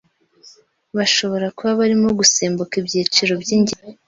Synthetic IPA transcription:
βaʃo̞βo̞ɾakuβaβaɾimoɡuseːmbokibjiːt͡ʃiɾo̞bjiːɲɟi

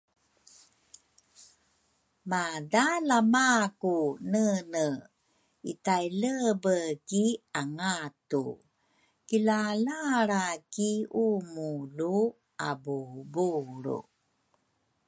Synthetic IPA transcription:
madalamakunənə | ḭtajləbəkiaŋatṵ | kilalaɾakiumulu | abubuɾṵ

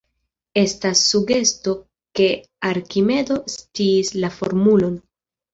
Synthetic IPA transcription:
e̞stasːuɡe̞sto̞ | ke̞ | aɾkime̞do̞stiːslafo̰ɾmulo̞n

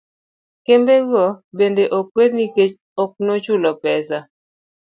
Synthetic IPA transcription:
kembeɡobendeʔok̚wed̪niket͡ʃ | ɔk̚not͡ʃulɔpɛsa

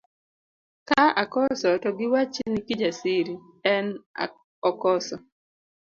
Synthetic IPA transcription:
kaakɔsɔtɔɡɪwat͡ʃenikid͡ʒasiɾi | ɛna̰ | ɔkɔsɔ

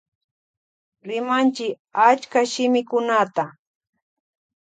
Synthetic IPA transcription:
ɾɪmant͡ʃɪk | at͡ʃkaʃɪmɪkʊnat̪a

